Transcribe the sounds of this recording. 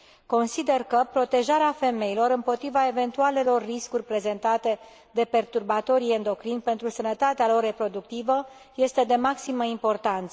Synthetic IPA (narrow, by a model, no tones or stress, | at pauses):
ko̞nsid̪e̞rkəpɾo̞t̪e̞ʒaɾeafe̞me̞ilo̞ɾɨmpo̞t̪ɾivae̞ve̞nt̪uale̞lo̞rːiskurʲpɾe̞ze̞nt̪at̪e̞ | d̪e̞pe̞rt̪urbat̪o̞ɾiend̪o̞kɾinpe̞nt̪ɾusənət̪at̪ealo̞rːe̞pɾo̞d̪uk̚t̪ivə | je̞st̪e̞d̪e̞maksiməimpo̞rt̪ant̪sə